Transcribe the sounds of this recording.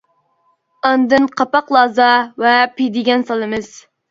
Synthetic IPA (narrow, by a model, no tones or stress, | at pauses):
ɑnd̪ɨnqʰɑpɑqlˠɑːzɑvɛpid̪ɪɡʲɛnsɑlˠɨmɨz̥